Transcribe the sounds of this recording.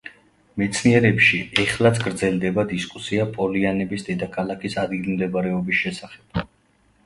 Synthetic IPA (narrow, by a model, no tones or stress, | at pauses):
mɛt̪sʰniɛɾɛpʃiɛχlˠat̪sʰɡɾd̪zɛlˠd̪ɛbad̪iskʼusiapʼɔlianɛbisd̪ɛd̪akʰalˠakʰisad̪ɡilimd̪ɛbaɾɛɔbisʃɛsaχɛb̥̚